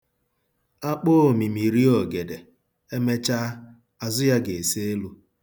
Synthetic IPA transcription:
a˦k͡po˦˨mi˨mi˨ɾi˦ɔ˨ɡe˨de˨ | e˦me˦t͡ʃa˦ | a˨zʊ˦ja˦ɡe˨se˦e˦lu˦

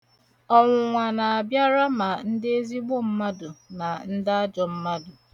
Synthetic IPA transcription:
ɔ˦ŋʷʊ˨ŋʷa˨na˨a˨bja˦ɾa˦ma˨n̩˦dɪ˦e˦zi˦ɡ͡bʊ˦m̩˦ma˦dʊ˨na˨n̩˦dɪ˦a˦d͡ʒɔ˨m̩˦ma˦dʊ˨

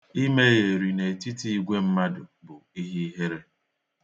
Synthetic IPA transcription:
i˦me˦je˨ɾi˨ne˨e˨ti˦ti˦i˦ɡʷe˦m̩˦ma˦dʊ˨bʊ˨i˦ɦi˦ɦe˦ɾe˦

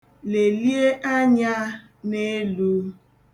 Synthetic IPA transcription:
le˨li˦e˦ʔa˦ɲa˦ | ne˦lu˦

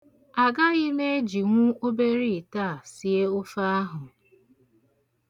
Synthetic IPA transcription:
a˨ɡa˦ɣɪ˦ne˦d͡ʒi˨ŋʷʊ˦o˦be˦ɾi˦˨ta˦˨si˨e˦ʊ˦fa˦a˦ɦʊ˨

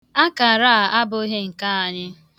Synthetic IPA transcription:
a˦ka˨ɾa˦˨a˦bʊ˦ɦe˦ŋ̩˨ka˦a˨ɲɪ˦

